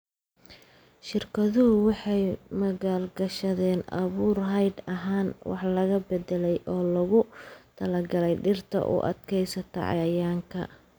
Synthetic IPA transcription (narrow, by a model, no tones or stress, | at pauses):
ʃɪrkʰɐðʊɦʊwɑħɑjmɐɣaːlɡɐʃɐðɛːnɐ̰βuːrɦɐjd̪ɐɦaːnwɑ̰ħlɐɣɐbɛd̪ɛlɛjʔɔːlɐɣʊt̪ʰɐlɐɡɐlɛjɖɪrt̪ʰɐ̰ʔʊ̰ʔɐ̰d̪kʰɛjsɐt̪ʰɐ̰ʕɑ̰jaːŋkʰɐ̰